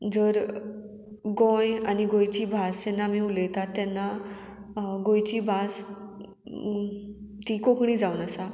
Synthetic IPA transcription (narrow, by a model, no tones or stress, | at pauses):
d͡zəɾ | ɡɔ̃janiɡõjt͡ɕiːbʱasd͡ʑɛnːamiulət̪at̪ːɛnːa | ɡojt͡ɕiːbʱas | t̪ikokɳiːd͡zaunəsa